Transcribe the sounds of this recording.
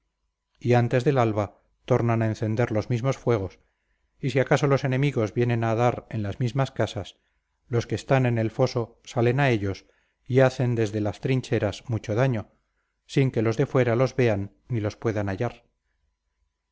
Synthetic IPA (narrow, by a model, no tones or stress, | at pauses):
iant̪e̞zðelalβa | t̪o̞ɾnanaenθe̞nd̪e̞ɾlo̞zmizmo̞sfwe̞ɣ̞o̞s | isiakaso̞lo̞se̞ne̞miɣo̞zβje̞nẽ̞naðaɾe̞nlazmizmaskasas | lo̞skeːst̪anene̞lfo̞so̞ | sale̞nae̞ʎo̞s | iaθe̞nd̪e̞zðe̞last̪ɾiɲt͡ʃe̞ɾasmut͡ʃo̞ðaɲo̞ | siŋke̞lo̞zðe̞fwe̞ɾalo̞zβe̞anːilo̞spwe̞ðanaʎaɾ